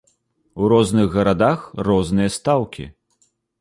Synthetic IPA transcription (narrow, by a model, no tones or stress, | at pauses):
uɾɔznɨɣɣɐɾad̪axrɔznɨjɐst̪awkʲḭ